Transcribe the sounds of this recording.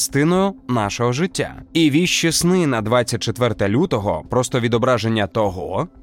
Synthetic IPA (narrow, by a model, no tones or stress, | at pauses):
st̪ɪnɔjʊnɑʃɔɦɔʒɪtʲːa̰iʋʲiʃt͡ʃisnɪnɐd̪ʋat͡sʲːɐt̚ʲt͡ʃet̪ʋɛrt̪ɐlʲut̪ɔɦɔ̰pɾɔst̪ɔʋʲid̪ɔbɾɑʒe̞nʲːɐt̪ɔɦɔ